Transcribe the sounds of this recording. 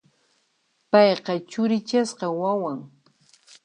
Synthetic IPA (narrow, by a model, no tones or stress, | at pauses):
pɑjqɑt͡ʃʊɾɪt͡ʃasqɑwawaŋ